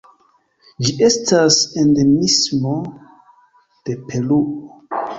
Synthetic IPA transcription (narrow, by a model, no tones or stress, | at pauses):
d͡ʒiʔe̞stasendemismo̞ | d̥e̞pʰe̞luʔo